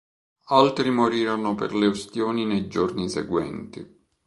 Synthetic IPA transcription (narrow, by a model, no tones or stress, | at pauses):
alt̪ɾimoɾiːɾanopḛrleost̪joːninejd͡ʒornisɛ̰ɡwɛ̰nt̪i